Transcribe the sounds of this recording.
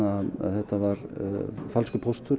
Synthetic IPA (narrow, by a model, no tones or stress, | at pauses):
a̰ðθɛht̪avaɾfalskʏpʰɔst̪ʏɾ